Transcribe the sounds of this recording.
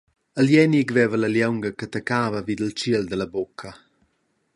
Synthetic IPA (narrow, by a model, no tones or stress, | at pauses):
əljɛniɡvɛvələljɛwŋɡəkət̪əkaːvəvid̪əlt͡ʃiəld̪ələbokʰə